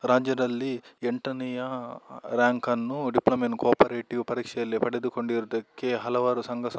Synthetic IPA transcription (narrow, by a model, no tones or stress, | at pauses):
ɾaːd͡ʒjɐd̪ɐlːieɳʈɐnijɐɾjaːŋkɐnːuɖiplɐmenkaːpɐɾeːʈiʋpɐɾiːkʂɛjɐlːepɐɽed̪uko̞ɳɖiɾud̪ɐkːe̞ɦɐlɐʋaːɾusɐŋɡɐs